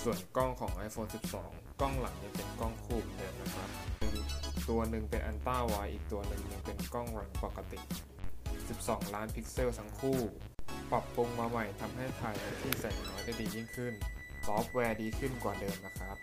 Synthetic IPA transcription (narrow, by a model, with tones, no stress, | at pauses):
su˨˩ənkɔ˥˩ŋkʰɔː˩˦ŋʔa˧jfʰoː˧nsi˨˩p̚sɔ̰ː˩˦ŋ | kɔ˥˩ŋla˩˦ŋt͡ɕa˧ŋpe˧nkɔ˥˩ŋkʰuː˥˩m̚dɯː˧mna˦˥kʰɾa˦˥p̚nɯ˧˩t̪u˧ɐnɯ˧ŋpe˧nʔa˧nt̪aː˥˩waː˦˥jʔiː˨˩k̚t̪u˧ɐnɯ˧˩ŋɲɯ˧ŋpe˧nkɔ˥˩ŋɾa˩˦ŋpa˨˩ka˧t̪i˨˩ʔ | ʔ̚ːsi˨˩p̚sɔː˩˦ŋlaː˦˥npʰi˦˥k̚se˥˩wt̪ʰa˧˦˥ŋkʰuː˥˩ | pɾa˨˩pːu˧ŋmaː˧ma˨˩jt̪ʰa˧mɦa˥˩jkʰaː˧jpʰa˧˥t̪ʰiː˥˩sa˨˩jnɔː˦˥jda˥˩jdiː˧ji˥˩ŋkʰɯ˥˩n | sɔː˦˥p̚wɛː˧diː˧kʰɯ˥˩nkwaː˨˩dɤː˧mna˦˥kʰɾa˦˥p̚